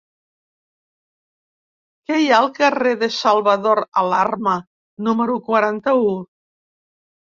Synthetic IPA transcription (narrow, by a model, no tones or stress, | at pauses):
kɛjaəlˠkəreðəsalˠβəðoɾa̰larmə | numəɾukwaɾant̪əu